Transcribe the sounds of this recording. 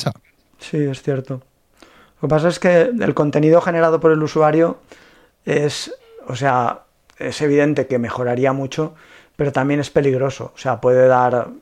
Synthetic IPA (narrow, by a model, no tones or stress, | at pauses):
sie̞sθje̞ɾt̪o̞ | lo̞ke̞pas̬ae̞ske̞ḛlko̞nt̪e̞niðo̞xe̞ne̞ɾað̞o̞po̞ɾe̞lusuaɾjo | e̞s | ose̞a | e̞se̞β̞iðe̞nt̪e̞ke̞me̞xo̞ɾaɾiamut͡ʃo̞ | pe̞ɾo̞t̪ambje̞ne̞spe̞liɣ̞ɾo̞so̞̰ose̞apwe̞ðe̞ðaɾ